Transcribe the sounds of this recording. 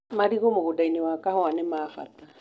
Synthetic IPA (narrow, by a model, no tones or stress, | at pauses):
maɾiɣomoɣʊdainiwakahɔanɛmaːfa̰ta